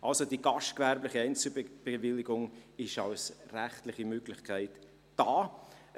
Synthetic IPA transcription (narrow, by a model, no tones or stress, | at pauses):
ʔɑlsodiɡ̥ɑʃtkvɛɾblɪχiɛɪnt͡səb̥evɪlːɪɡʊŋɪʃɑ̰ʊsræχtlɪχimøɡ̥lɪχkʰæɪtː | ɑː